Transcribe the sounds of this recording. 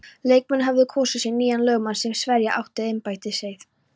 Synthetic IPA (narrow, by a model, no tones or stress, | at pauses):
leːjk̚mɛnɦavðɪkʰɔːsasjɛɣniːjanlœːɣmansɛmsvɛɾjaʔa̰wht̪ɪðɪjmpaːjt̪ɪseːjθ